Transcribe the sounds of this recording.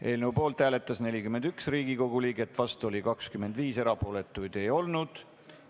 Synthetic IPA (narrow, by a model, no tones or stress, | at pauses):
ʔe̞ːlnewpo̞ːlt̪hæːle̞t̪ːˑɑsne̞lʲikymend̪̥yksriːɡiko̞ɡuliːɡe̞t̪ːvɑst̪uo̞lʲikɑkskyme̞nd̪viːse̞ɾɑpo̞ːle̞t̪ːˑujd̪̥e̞jo̞lnud̪̥